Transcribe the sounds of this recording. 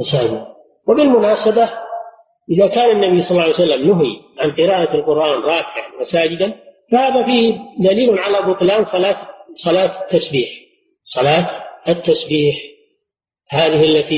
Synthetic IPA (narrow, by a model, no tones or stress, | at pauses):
masaːd͡ʒɪd̪ | wɪbɪlmʊnaːsaba | ʔɪðakaːnanːabijsˤɑlːʕjsalːamnʊɦḭʕanqɨɾaːʔaalqʊɾʔaːnɾˤɑːbɪʕa̰nwasaːd͡ʒɪd̪anfahaːðafiːhd̪aliːlʕalabʊt̪ˤlaːmsɑlaːsˤɑlaːt̪t̪ːasbiːħ | sˤɑlaːt̪at̪ːasbiːħ | haːðɪhʔalːat̪i